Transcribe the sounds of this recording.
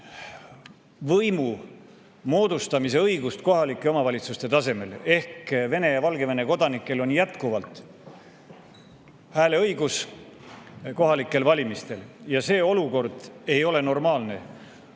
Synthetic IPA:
vɤjmu | mo̞ːd̪̥ust̪ɑmis̬e̞ɤjɡ̥ust̪ko̞ɦɑlikˑːe̞o̞mɑvɑlʲit̪sust̪e̞t̪ɑse̞me̞le̞hkve̞ne̞jɑvɑlɡe̞ve̞ne̞ko̞d̪̥ɑnikːˑe̞lo̞njæt̪kuvɑlt̪ˑ | hæːle̞ɤjɡ̥us | ko̞ɦɑlikːˑe̞lvɑlʲimist̪e̞ljɑse̞ːo̞luko̞rd̪̥e̞jo̞le̞no̞rmɑːlne̞

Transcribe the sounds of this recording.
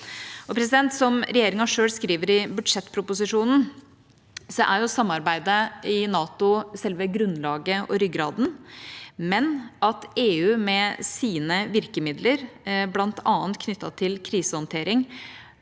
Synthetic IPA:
ʔɔpʰɾɛsɪd̪ɛnt̪sɔmɾɛjeːɾɪŋɑʂøːlskɾiːʋəɾɪbʉd̪ʂɛt̪ːpʰɾʊpʊsɪʂuːnn̩ | sɔʔæ̰ɾjʊsɑmːɑɾbæɪd̪əɪnɑːt̪ʊsɛlʋəɡɾʉnːlɑːɡəʔɔɾʏɡɾɑːd̪n̩ | mɛnʔɑt̪eːʉːmɛsiːnəʋɪɾkəmɪd̪ləɾblɑnt̪ʰɑːnt̪kʰnʏt̪ːɑt̪ʰɪlkʰɾiːsəhɔnt̪ʰeːɾɪŋ

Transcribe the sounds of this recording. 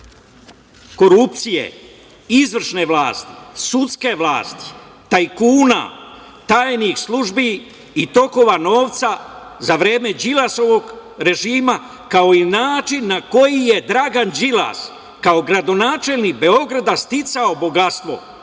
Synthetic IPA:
ko̞ɾupt̪sijḛ | izʋr̩ʃne̞ʋlˠaːst̪i̥̰sut̪ske̞ʋlaːst̪i̥ | t̪ajkuːna̰ | t̪aːjnixslˠuʒbi | it̪o̞ko̞ʋano̞ːʋt̪sazaʋɾe̞ːme̞d͡ʒilaso̞ʋo̞ɡɾe̞ʒiːma | kao̞inaːt͡ʃinːako̞jije̞d̪ɾaɡand͡ʒila̰s | kao̞ɡɾad̪o̞naːt͡ʃe̞lʲnik̚be̞o̞ɡɾad̪ast̪it̪saobo̞ɡast̪ʋo̞̰

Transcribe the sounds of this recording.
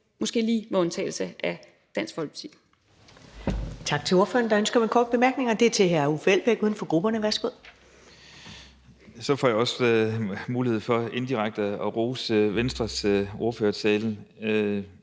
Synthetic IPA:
mɔ̽sɡ̥e̝̰ːliːmeɔ̽nt͡sʰɛ̰ːl̩səʔæ | d̥æn̰sɡ̥fɒ̽lɡ̥ʰt͡sʰḭ̥ | t͡sʰɑ̈ɡ̥̚t͡sʰe̝o̝ɐfø̰ɐnd̥ɑønsɡ̥ɐmekʰɒːd̥̚b̥e̝mæɐɡ̥ne̝ŋɒd̥e̝ɐt͡sʰe̝ɦæɐufel̰b̥eɡ̥uːð̞ˠnfɒ̽ɡ̥ʁub̥ɐnəʋæɐsɡ̥o̝ð̰ˠ | sɒ̽fɒ̰jɑ̈ɒ̽s | muːlihe̝ð̰ˠfɒ̽e̝nd̥iʁäɡ̥̚d̥əɒʁoːsʋensd̥ʁɐsʔo̝ɐføːɐsʰɛːln̩

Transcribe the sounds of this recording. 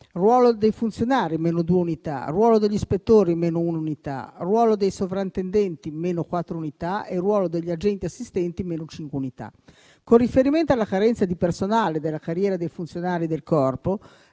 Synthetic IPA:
rwɔːlod̪ejfunt̪sjonaːɾimeːnod̪ueunit̪a̰rwɔːlod̪eʎːispet̪ːoːɾimeːnoununit̪a̰rwɔːlod̪ejsovɾaint̪end̪ɛnt̪imeːnokwat̪ːɾounit̪aerwɔːlod̪eʎːiad͡ʒɛnt̪iasːist̪ɛnt̪imeːnot͡ʃiŋkweunit̪a̰ | korifeɾiment̪oalːakaɾɛnt̪sad̪ipersonaːled̪elːakarjɛːɾad̪ejfunsjonaːɾid̪elkɔrpo

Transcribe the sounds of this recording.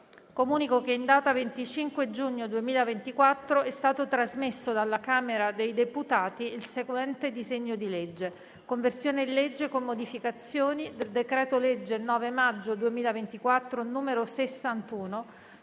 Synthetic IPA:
komuːnikokeind̪aːt̪avent̪it͡ʃiŋkwed͡ʒuɲːod̪uemiːlavent̪ikwat̪ːɾoɛst̪aːt̪ot̪ɾazmesːod̪alːakaːmeɾad̪ejd̪eput̪aːt̪iilseɡwɛnt̪ed̪izeɲːod̪iled͡ʒːe | koɱversjoːned̪iled͡ʒːekomːod̪ifikat̪sːjoːnid̪eld̪ekɾɛːt̪oled͡ʒːenɔːvemad͡ʒːod̪uemiːlavent̪ikwat̪ːɾonuːmeɾosesːant̪uːno

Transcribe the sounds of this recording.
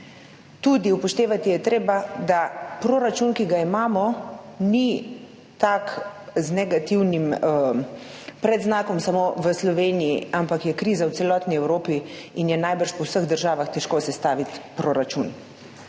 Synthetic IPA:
t̪ud̪iupɔʃt̪eːʋat̪ijɛt̪ɾeːbad̪apɾoːɾat͡ʃunkiɡaimaːmɔni | t̪akznɛɡat̪iwnimə | pɾɛd̪znaːkɔmsamoʋəslɔʋeːnijiampakjɛkɾiːzawt̪sɛlɔːt̪niɛwɾoːpiinjɛnajbəɾʃpɔwsəɣd̪əɾʒaːʋaxt̪ɛʃkosɛst̪aːʋit̪pɾoːɾat͡ʃun

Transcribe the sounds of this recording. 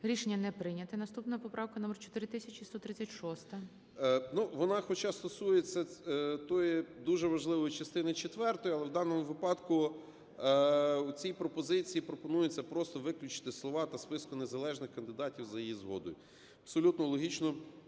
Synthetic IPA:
ɾʲiʃenʲːɐnɛpɾɪnʲɐt̪ɪnɐst̪upnɐɐpɔpɾʔɑwkɐnɔmɛrt͡ʃɔ̥t̪ɪɾɪt̪ɪsʲɐt͡ʃʲist̪ɔt̪ɾɪt͡sʲɐtʲʃɔst̪ɐ | nuʋɔnɑxɔt͡ʃɑst̪ɔsujet͡sʲːɐt̪ɔjid̪uʒɛʋɐʒlˠɪʋɔjit͡ʃɐst̪ɪnɪt͡ʃet̪ʋɛrt̪ɔjiɐlˠɛwd̪ɑnɔmʊʋɪpɑd̪kʊ | ut͡sʲijpɾɔpɔzɪt͡sʲijipɾɔpɔnujʊt͡sʲːɐpɾɔst̪ɔʋɪklʲʊt͡ʃɪ̥t̪ɪslˠɔʋɑt̪ɐspɪskʊnezɐlˠɛʒnɪxkɐnd̪ɪd̪ɑtʲiwzɐjijizɦɔ̰d̪ɔ̰jʊ | ɐɐpsɔlʲut̪nɔlˠɔɦʲit͡ʃnɔ

